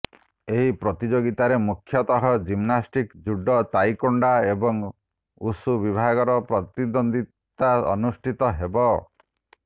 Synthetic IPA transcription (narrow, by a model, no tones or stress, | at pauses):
eɦipɾɔt̪id͡ʒoɡit̪aɾemukʰːjɔt̪ɔɦɔd͡ʒimnasʈikd͡ʒuɖːɔt̪ajkɔɳɖaebɔŋ | usubibʱaɡɔɾɔpɾɔt̪id̪ɔnd̪i | t̪aɔ̰nusʈʰit̪ɔɦebɔ